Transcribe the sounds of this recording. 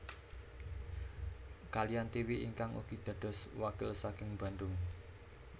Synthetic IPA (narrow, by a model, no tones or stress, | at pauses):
kalijant̪iwiʔiŋkaŋṵɡ̥i̤d̪̥ä̤d̥ɔ̤swakɪlsakɪŋba̤nɖ̪ʊŋ